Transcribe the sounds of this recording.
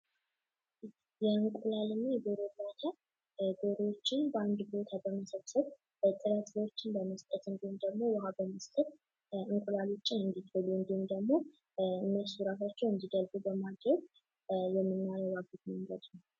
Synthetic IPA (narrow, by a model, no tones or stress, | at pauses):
jɛɨŋkʷʼulalɨnajɡoɾolat̪ʰa | ɡoɾot͡ʃːɪnbəand̪bo̞t̪ʰabəməsəβsəβ | t̪ʼɨɾat̪zot͡ʃːɪnbəməst̪ʼət̪ɨnd̪ihmd̪əɡmo̞wahabəməst̪ʼət | ɨŋkʼulalut͡ʃʼːɪɨnd̪it̪ʰəluɨnd̪imd̪əɡmo̞ | ɨnːəsuɾat̪ʰat͡ʃːɛwɨnd̪iɡ̪əlɡubəmad̪ɾəɡ | jɛmːɨnːajɛwaɡut̪məmlət̪nəw